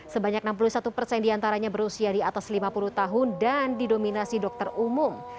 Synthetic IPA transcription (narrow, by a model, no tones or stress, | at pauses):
səbaɲak̚nampulusat̪upərsɛndiant̪aɾaɲabəɾusiadiat̪aslimapuluht̪aɦʊndandidominasidɔk̚t̪ərumum